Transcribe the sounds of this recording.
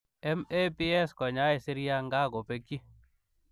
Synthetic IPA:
ɛ˦me˦pi˦ɛ˦skɔ˨ɲa˦e˨si˦ɾi˦a˦ŋɡa˦˨ɡo˨pe˦ki˦

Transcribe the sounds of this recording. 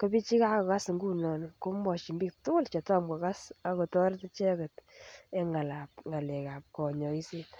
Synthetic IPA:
ko˦bi˦t͡ʃi˦ka˦ko˨ka˦sŋɡu˦nɔ˨nko˦mɔ˨t͡ʃi˨mbiː˦k̚tʊ˦kʊ˦lt͡ʃɛ˨ta˦mɡɔ˨ka˦sa˨ko˨tɔ˦ɾtt͡ʃɛ˦kɔ˨te˦ŋa˨la˨p̚ŋa˨lɛ˨ka˨p̚kɔ˨ɲɔ˨i˦se˦t

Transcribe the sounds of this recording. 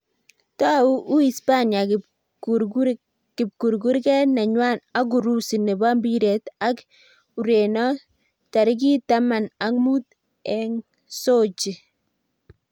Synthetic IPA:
ta˦u˦ʔu˦i˨spa˦nja˨ | kɪ˨p̚ku˨ɾɡu˦ɾkɛ˦na˨ɲwa˦na˦ɡ̬u˨ɾu˦si˨ne˨ba˦mbi˦ɾe˨ta˦k | u˨ɾe˨nɔ˦ | ta˨ɾɪ˦k̬i˦ta˦ma˨na˦kmu˦t | ɛ˦ŋ | so˦t͡ʃi˨

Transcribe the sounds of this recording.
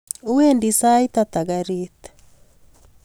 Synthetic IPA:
u˦we˦ndisa˦i˦t̪at̪a˨ɡaɾit̪ɛ̥

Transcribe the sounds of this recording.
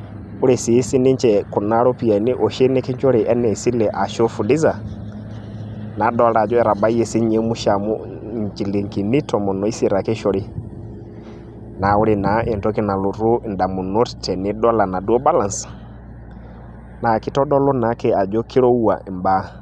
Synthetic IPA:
ʊ˦ɾe˨si˨˦si˦nɪ˦ɲ˦t͡ʃɛ˨ku˨na˦ɾɔ˦pi˨a˨nɪ˦ʔɔ˨ʃe˦ne˦kɪ˦ɲt͡ʃɔ˦ɾɪ˨ʔɛ˦nɛ˨si˦lɛ˨ʔa˨ʃɔ˦fu˨dɪ˦za˨ | na˨˦dɔ˦la˨d͡ʒɔ˦ɛ˦ɾa˨ba˦i˦jɛ˦si˦ɲe˦mʊ˦ʃa˨mu˦ | ɲt͡ʃi˨le˨ŋki˨nɪ˦tɔ˨mɔ˨nɔ˨˦i˦si˦˨ɾa˨kɪ˦ʃɔ˦ɾɪ˦ | na˨ʊ˦ɾɪ˨na˨ʔe˨ntɔ˦kɪ˦na˨lo˨ɾu˦˨nda˨mu˨no˦ttɛ˨nɪ˨˦dɔ˦la˨na˨dɔ˦ba˦la˨ns | na˨kɪ˨tɔ˦dɔ˦lɔ˦na˨˦kɛ˨a˨d͡ʒɔ˦kʰi˦ɾo˦u˦a̰˨mba˦

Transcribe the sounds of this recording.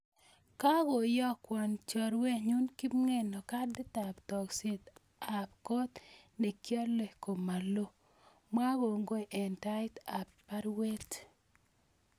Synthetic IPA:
ka˦ɡo˨jɔ˦kwɔ˨nt͡ʃɔ˨ɾwe˦ɲu˦nki˦mŋe˦nɔ˨ka˦dɪ˦ta˨ptɔ˨kse˦t̪ | a˨p̚kɔ˦t̪ | ne˨kja˦le˨ko˨ma˨lo˦ | ma˦ɡo˨ŋɡo˦˨ʔɛ˨nta˦ɪ˦ta˨ppa˦ɾwe˦t

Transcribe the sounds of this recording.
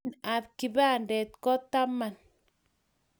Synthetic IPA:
na˨bki˨βa˦˨ndɛ˨t̪̚kɔ˦t̪a˦ma˨n

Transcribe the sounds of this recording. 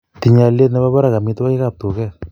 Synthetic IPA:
ti˨ɲa˨lje˦t̬nɛ˦ba˦pa˦ɾa˨ka˨mi˦twa˦ke˦ka˨p̚tu˨kɛ˦

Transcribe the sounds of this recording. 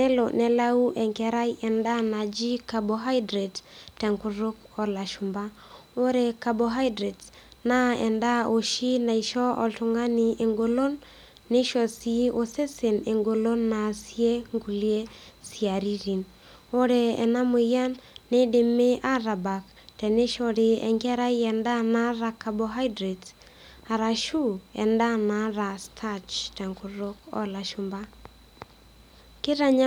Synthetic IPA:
nɛ˦lo˨nɛ˨la˦u˦ʔɛ˨ŋkɛ˨ɾa˦jʔɛ˨nda˦na˨d͡ʒi˦ka˨bo˨ɦa˦jdɾe˨ttːɛ˨ŋku˦ɾʊ˦kɔ˨la˨ʃu˨mba˦ | o˦ɾe˨ka˨bo˨ɦa˦jdɾe˨t | na˦ɛ̰˨nda˦o˨ʃi˦na˨i˨ʃɔ˦ɔ̰˨tu˨ŋa˦ni˨e˨ŋɡo˨lo˦nː | e˦ʃɔ˨si˦ʔo˦se˦se˨ne˨ŋɡo˨lo˦nːa˨si˦e˦ŋɡu˨li˦e˦si˨a˨ɾi˦ɾi˨n | o˦ɾe˨ɛ̰˨na˦mo˨ja˦nːe˦dɪ˨me˦ʔa˦ɾa˨ba˨k | tɛ˨ne˦ʃɔ˨ɾɪ˨ɛ̰˨ŋɡa˦ɾa˦jɛ˨nda˦na˦ɾa˨ka˨bo˨ɦa˦jdɾe˨t | a˨ɾa˨ʃu˦ɛ̰˨nda˦na˨ɾa˨stʰa˦t͡ʃtɛ˨ŋku˨ɾo˦kɔ̰˦la˨ʃu˨mba˦ | kɪ˦ɾa˨ɲa

